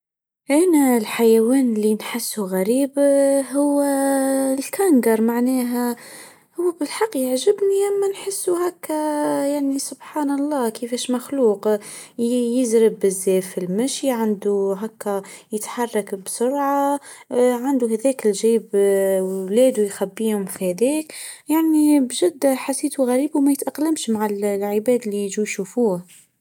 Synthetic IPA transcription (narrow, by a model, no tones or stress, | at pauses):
ʔænælħajæwɛːnlinħɪsːuɣæɾiːbɦʊwːælkʰæŋɡɑɾˤmaʕnɛːɦæ | hʊwːæbɪlħɑqːjəʕʒɪbniʔamːænħɪsːuɦækːæjaʕnisʊbħɑːnɑlˤːɑːkəfɛːʃmaxluːq | jɪzɾɪbɪzːɛːfilmæʃjiʕand̪uɦækːæjət̪ħɑrˤːɑkbsʊɾʕa | ʕand̪uɦæðɛːkɪlʒiːbwlɛːd̪ujxæbːiːhʊmfihæðɛːkjaʕnibʒɪd̪ːæħasːiːt̪uɣæɾiːbumæjət̪ʔɑqːləmʃmaʕallʕəbæːd̪liʒujʃufuːh